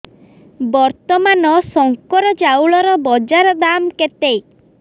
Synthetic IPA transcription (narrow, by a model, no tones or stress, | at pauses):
bɔɾt̪ɔmanɔsɔŋkɔɾɔd͡ʒawɭɔɾɔbɔd͡ʒaɾɔd̪amket̪ej